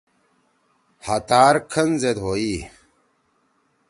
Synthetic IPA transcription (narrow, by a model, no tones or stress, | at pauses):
hat̪aːɾkʰənzed̪ɦoːiː